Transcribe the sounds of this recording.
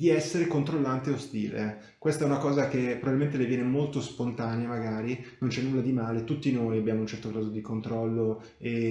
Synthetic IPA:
d̪iɛsːeɾekont̪ɾolːant̪eost̪iːlḛ | kwest̪aɛunakɔːzak̟epɾobabilment̪̬elevjɛːnemolt̪ospont̪aːneamaɡaːɾinont͡ʃɛnːulːad̪imaːlet̪ut̪ːinoːjabjaːmount͡ʃɛrt̪okaːzod̪ikont̪ɾɔlːo | e

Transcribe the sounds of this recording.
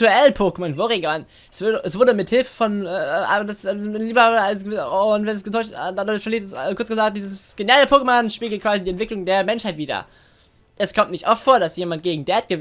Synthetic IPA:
uɛlpʰoːkəmanvoʁeɡan | ʔɛsv̥ʊdʔɛsv̥ʊɐdəmɪthɪlfə̥fɔnɛːʔa̰dasɛliːbɐalsəvoʊntvɛnɛsɡ̥ətʰɔʏtdadʊçfɛɐliːtɛskʊɐt͡sɡəzaːk̚t̚d̥iːzəssɡ̥enjaləpʰoːkəmanʃpiːɡl̩t̚kʰv̥aːzidiːɛntv̥ɪklʊŋdeːɐmɛnʃhaɪtv̥iːdɐ̰ | ʔɛskʰɔmtnɪçtʔɔftfoːɐdasjeːmant̚ɡ̥eːɡŋ̩dɛːɐt̚ɡ̥ə

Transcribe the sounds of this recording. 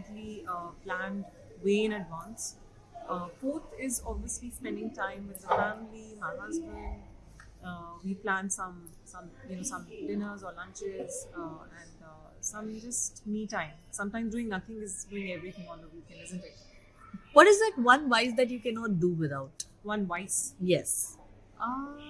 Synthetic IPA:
ɪʈliplæ̃nɖ | ʋeːɪ̃nəɖʋãːns | foːt̪ʰɪzɔbʋiəslispɛ̃ɳɖɪ̃ŋʈãɪ̃mʋɪd̪əfæmlimaːmazbũn | ʋiplæ̃nʈsʌ̃m | sʌ̃mjunoːsʌ̃mɖɪnəɾzɔːɾlʌ̃ːnt͡ʃɪzʌɛ̃ɳɖ | sʌ̃md͡ʒʌsʈmiːʈãɪ̃msʌ̃mʈãɪ̃mzɖuːɪ̃ŋnʌt̪ʰɪ̃ŋɪzɖuːɪ̃ŋɛʋɾit̪ʰə̃mɔ̃ndəvjukɛ̃nɛzɨ̃nʈɪʈ̚ | ʋɔʈɪzd̪aʈʋʌ̃nʋaɪsd̪æʈ̬jukɛnɔːʈ̚ɖuʋɪd̪aʊʈ | ʋʌ̃nʋaɪsjɛs | ʔʌ

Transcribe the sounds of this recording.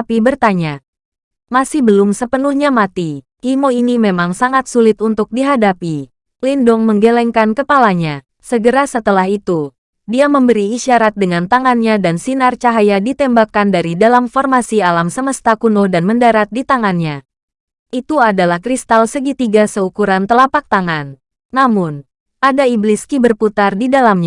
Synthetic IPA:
apibərt̪aɲa | masihbəlʊmsəpənuhɲamat̪i | himoinimemaŋsaŋat̪̚sulɪt̪unt̪ʊk̚diɦadapi | lindɔŋməŋɡelɛŋkankəpalaɲa | səɡəɾasət̪əlahit̪u | diaməmbəɾiːʃaɾat̪̚dəŋant̪aŋanɲadansinart͡ʃaɦajadit̪ɛmbakandaɾidalamfɔrmasialamsəməst̪akunʊhdanməndaɾat̪̚dit̪aŋanɲa | ʔit̪uadalahkɾist̪alsəɡit̪iɡasəukuɾant̪əlapak̚t̪aŋanː | amʊn | padaibliskibərput̪ardidalamɲa

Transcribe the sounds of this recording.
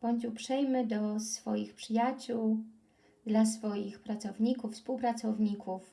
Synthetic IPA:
b̥ɔɲt͡ɕupʂɛjmɘd̪ɔsfɔjixpʂɘjat͡ɕuw | d̪lasfɔjixpɾat̪sɔvɲikufspuwpɾat̪sɔvɲikʰuf

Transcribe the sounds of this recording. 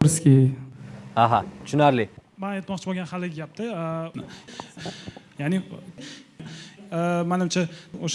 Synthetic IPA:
ɾskʲi | aɦɑt̪ʰʊ̥ʃʊnaɾlɪmat̪mɒqt͡ʃʰɪboɡʲanhalɪɡʲɡʲap̚t̪ʰɪnɪ | jaʕni | manɪmt͡ʃʰaoʃ

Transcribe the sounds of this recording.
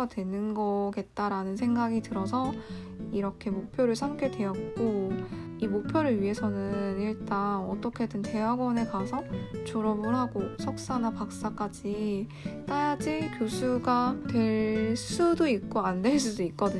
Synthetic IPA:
adwe̞nɯnɡʌɡe̞t̚t͈aɾanɯnsʰe̞ŋɡaɡitɯɾʌsʰʌ | iɾʌkʰe̞mok̚pʰjoɾɯɭsʰamk͈ʰe̞dwe̞jʌt̚k͈o | imok̚pʰjoɾɯɭɥiɦe̞sʰʌnɯniɭt͈anʌt͈ʌkʰe̞dɯnte̞waɡwʌne̞kasʰʌt͡ɕoɾʌbɯɭɦaɡosʰʌk̚s͈anapak̚s͈ak͈ad͡ʑi | t͈ajad͡ʑikjosʰuɡatwe̞ɭs͈udoik̚k͈oandwe̞ɭs͈udoik͈̚ʌdɯɲ

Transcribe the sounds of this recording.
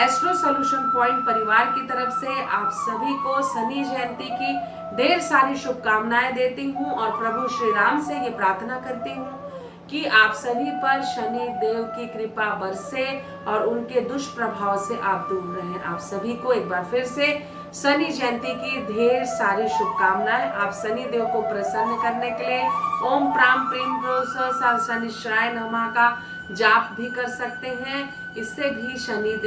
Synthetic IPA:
esklusɐljuːʃənpɔ̃ːɪ̃ɳʈ̚pɐɾɪʋaːɾkit̪ɐɾəfseaːpsɐbʱikosɐnid͡ʒɛ̃ːnt̪iki | d̪ʱeːɾsaːɾiʃʊb̚kaːmnaːed̪eːt̪iɦũɔːɾpɾɐbʱuʃɾiɾaːmsejepɾaːɾt̪ʰənakɐɾt̪iɦũ | kiaːpsɐbʱipɐɾʃɐnid̪eːʋkikɾɪpabɐɾse | ɔːɾʊnked̪ʊʃpɾəbʱaːʋseʔaːp̚d̪ʊlɾəɦẽʔa̰ːpsɐbʱikoeːk̚baːɾpʰɪɾse | sɐnid͡ʒɛ̃ːnt̪ikid̪ʱeːɾsaːɾiʃʊb̪kaːmnaɦɛʔaːpsɐnid̪eːʋkopɾəsənːkɐɾnekelieoːmpɾaːmpɾiːmpɾoːsəsɔːɾsɐniʃɾaːjnɐmaka | d͡ʒaːpbʱikɐɾsɐk̚t̪eɦɛ̃ | ɪsːebʱiʃɐnid̪

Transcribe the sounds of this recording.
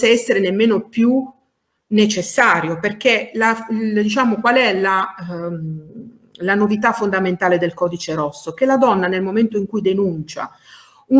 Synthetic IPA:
aɛsːeɾenemːeːnopju | net͡ʃesːaːɾjoperk̟elald̪it͡ʃaːmokwalɛla | lanovit̪afːond̪ament̪aːled̪elkɔːd̪it͡ʃeɾɔsːok̟elad̪ɔnːanelmoment̪oiŋkujd̪enunt͡ʃa̰ | u

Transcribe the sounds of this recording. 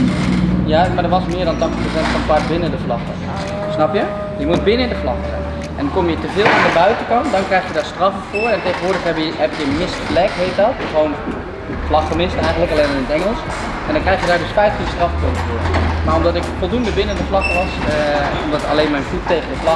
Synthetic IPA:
jamadəʋɑsmɪːɹdɑntɑχtəχprosɛntfɔnklatbɪnəndəflɑχə | snɑpjə | jəmut̚bɪnəndəflɑχəzɛ̰ | ʔɛndnkomjətəvɪːlˠɔndəbœɥtəkɑndɑnkrɛjxjədaːɹstrɑfəfʊːɹɛntejχənʋʊːɹdəχɛbɦɛpɪkəmɪsplɛkɦejt̚dɑtsown | flɑχəmɪstɛjχəntləkaleːnaɪnətɛŋəlˠs | ɛndɔnkrɛjχjədaːɹdøsfɛjfəstrɑfpøntəvʊːɹmaːɹɔmdɑtɪkfɔlˠdundəbɪnəndəflɑkəʋɑsɔmdɑta̰leːnmɛjnfutːejχəndəflɑ

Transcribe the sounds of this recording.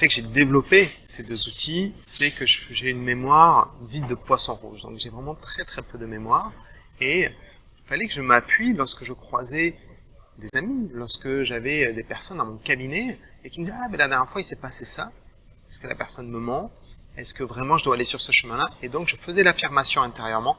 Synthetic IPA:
əfɛkəʒed̪evlɔpesed̪øzut̪ʰisɛkəʒəfʒeynmemwaʁd̪it̪̚d̪əpwasɔ̃ʁṵʒd̪ɔ̰̃kʒevʁɛmɑ̃t̪χɛt̪χɛpød̪əmemwaːʁ | e | ilfalɛkəʒəmapɥilɔʁskəʒəkχwazɛ | d̪ezamilɔʁskəʒavɛd̪epɛʁsɔnd̪ɑ̃mɔ̃kabine | ekʲiməd̪izɛamɛlad̪ɛʁjɛʁfwailsɛpasesa | ɛskəla̰pɛʁsɔnməmɑ̃ | ɛskəvʁɛmɑ̃ʒəd̪waːlesyʁsəʃəmɛ̃laed̪ɔ̃kʒəfəzɛlafiʁmasjɔ̃ɛ̃t̪eʁjœʁmɑ̃

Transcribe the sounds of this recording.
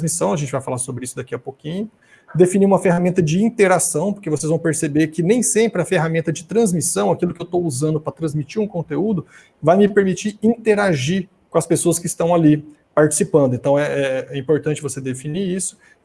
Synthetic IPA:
zmisɐ̃w̃ɐʒẽt͡ʃɪvajfalaɾsobɾɪisʊd̪akiɐpokĩɲʊ | d̪efiniũmɐfeɦamẽnt̪ɐd͡ʒɪĩnt̪eɾasɐ̃w̃poɾkevosezvɐ̃w̃peɾsebeɾkɪnẽj̃sẽmpɾɪɐfeɦamẽnt̪ɐd͡ʒɪt̪ɾɐ̃zmisɐ̃w̃akilʊkɪewt̪owuzɐ̃nd̪ʊpɾɐt̪ɾɐ̃zmit͡ʃiɾũkõnt̪eud̪ʊ | vajmɪpeɾmit͡ʃiĩt̪eɾaʒi | kõɐspesoɐskɪist̪ɐ̃w̃ali | paɾt͡ʃɪ̥sipɐ̃nd̪ʊẽnt̪ɐ̃w̃ɛɛɛĩpoɾt̪ɐ̃nt͡ʃɪvosed̪efiniisʊ̥

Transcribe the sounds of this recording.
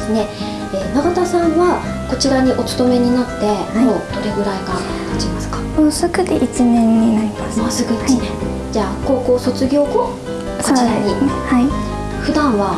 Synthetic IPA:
sɨne̞ | eːnaɡat̪asãβa | ko̞t͡ɕiɾaɲ̟iʔo̞t͡sɨ̥t̪o̞me̞ɲ̟inat̪ːe̞moːd̪̥o̞ɾe̞ɡɯ̟ɾaiɡa | at͡ɕimasɨ̥kḁoːsɨɡɯ̟d̪eʔit͡ɕinẽ̞ɲ̟ːinaɾʲimasmosɨɡɯ̟ane | d͡ʑaːko̞ːko̞ːso̞t͡sɨɡʲo̞ːko̞ː | soot͡ɕiɾaɲ̟ihai | ɸɯ̟d̪ãɰ̃βa

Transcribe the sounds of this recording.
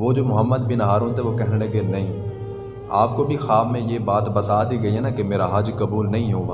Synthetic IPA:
ʋod͡ʒoːmʊɦəmːəd̪bɪnɦaːɾũːnt̪ʰeʋokɛɦɽẽkenɐɦĩː | aːp̚kobʱixaːbmẽjebaːt̪bɐt̪ad̪iɡɐiɦɛnakemeːɾaɦɐd͡ʒkɐbuːlnɐɦĩɦoːʋaː

